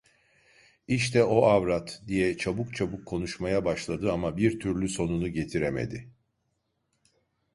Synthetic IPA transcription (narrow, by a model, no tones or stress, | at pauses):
iʃt̪ʰɛo̞avɾat̪d̪ijɛt͡ʃʰabukt͡ʃʰabukʰːo̞nuʃmajabaʃlˠad̪ɯamabiɾt̪ʰyɾlʲyso̞nunuɟe̞t̪ʰiɾemḛd̪ɪ